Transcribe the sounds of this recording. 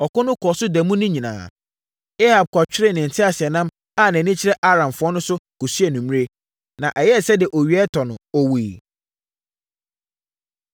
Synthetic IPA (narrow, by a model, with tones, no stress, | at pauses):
ɔ˨kʊ˦nʊ̃˦kʰɔ˨sʊ˦dɛ˨mũ˦nʊ̃˦ɲĩ˨nã̰ː˨ | e˦ha˨b̚kʰɔ˨t͡ɕᶣɪ˦ɾɪ˦˨nɪ̃˨n̩˨tʰɪ˦a˨sɪ˨ɛ˨nã˦m | a˦˨nã˨nĩ˦t͡ɕʰɪ˦ɾɛ˦ʔa˦ɾã˨mfʊ˨˦ɔ˦nʊ̃˦sʊ˦ku˨su˦ɛ˨nũ˨m̃˦e˦ | nã˨ʔɛ˨jɛ˦˨sɛ˦dɪ˨ɛ˨ʔo˨ɥi˨ɛ˦tʰɔ˨nʊ̰̃˨o˦weː˨